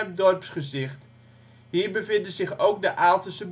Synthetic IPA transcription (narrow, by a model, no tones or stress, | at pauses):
mdɔrpsχəzɪχt | ɦiːɹbəvɪndəzɪχowk̚dəʔaːlˠtəsəb